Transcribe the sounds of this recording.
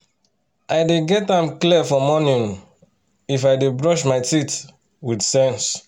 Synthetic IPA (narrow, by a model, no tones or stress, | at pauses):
ʔajdeɡɛtãmkliəfɔmɔnĩŋ | ifajdebɹɔʃmaɪtit | widsɛ̃ns